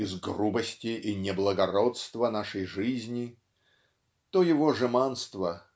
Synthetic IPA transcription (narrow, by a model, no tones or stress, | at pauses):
ɪzɡrubəsʲtʲɪʔinʲɪblˠəɡɐɾot̪st̪vənaʂəjʐɨzʲnʲɪ | t̪ojɪvoʐɨmanst̪və